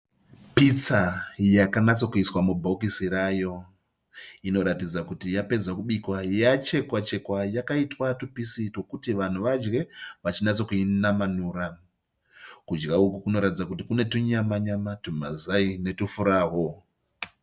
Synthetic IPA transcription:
pit͡sajakanat͡so̞kuiswamubʱoukisiɾajo̞ | ino̞ɾatid͡zakutijape̞d͡zakuɓikwajat͡ʃe̞kwat͡ʃe̞kwajakaitwatupisito̞kutiʋan̤uʋad͡ʒɡe̞ʋat͡ʃinat͡so̞kuinamanuːɾa | kud͡ʒɡaukukuno̞ɾatid͡zakutikune̞tuɲamaɲamatuma̰zaine̞tufuɾaːɦo̞

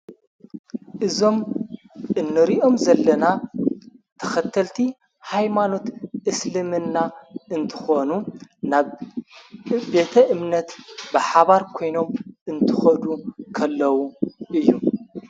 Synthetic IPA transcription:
ʔɨzo̞m | ʔɨnːɨɾiʔo̞mzɐlːɐna | t̪ʰɐ̥xɐt̪ʰːɐlt̪ʰi | hajmano̞t̪ʔɨslɨmɨnːaɨnt̪ʰɨ̥xonunaβ | be̞t̪ʰɐʔɨmnɐt̪bɨħaβaɾkʰo̞jno̞mʔɨnt̪ʰɨxɐd̪ukʰɐlːɐwuʔɨjːu

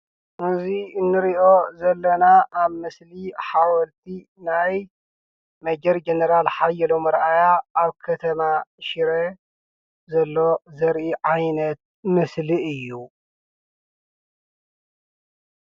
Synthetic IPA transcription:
ʔɨziɨnːɨɾiʔo̞zɐlːɐnaʔaβmɨsliħawɐlt̪ʰi | naj | mɐd͡ʒɐɾd͡ʒenɐɾalħajɛlomɐɾʔajaːβkʰɐt̪ʰɐmaʃiɾe | zɐlːo̞zɐɾʔiʕajnɐt̪̚ | mɨsliʔɨjːu

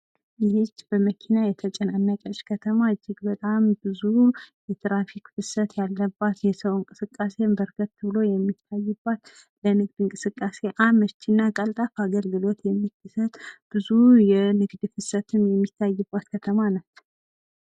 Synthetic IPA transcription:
jɪhɪt͡ʃːbəməkʰinajɛt̪ʰət͡ʃʼɛnanːəkʼət͡ʃʼkʰət̪ʰəmad͡ʒːɪɡbət̪ʼambɨzujɛt̪ʰɾafikfɨsət̪jalːəbːat̪jɛsəwŋkʼɨsɨkʼːase̞mbəɾɡət̪ːɨβɨlo̞jɛmːit̪ʰːajːɨbːat̪ | lənɨɡd̪ɨŋkʼɨsɨkʼːase̞ʔamət͡ʃːinːakʼəlt̪ʼafaɡəlɡɨlo̞t̪jɛmːikːɨsət̪ʼb̥ɨzujɛnɨɡd̪fɨsət̪ʰɨmjɛmːit̪ʰːajːɨbːat̪kʰət̪ʰəmanat͡ʃːɛw

